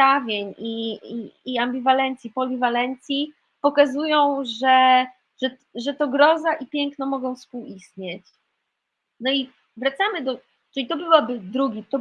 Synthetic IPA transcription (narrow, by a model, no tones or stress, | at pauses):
avʲjeɲiiːambʲivalɛnt̪sʲjipɔlʲivalɛnt̪sʲji | pɔkazujɔ̃w̃ʐɛ | ʐ̥ɛ | ʐɛt̪ɔɡɾɔzaʔipʲjɛŋknɔmɔɡɔ̃w̃fspuwist̪ɲet͡ɕ | nɔi | vɾat̪samɘd̪ɔ | t͡ʂɘlʲit̪ɔbɘwabɘd̪ɾuɡʲit̪ɔ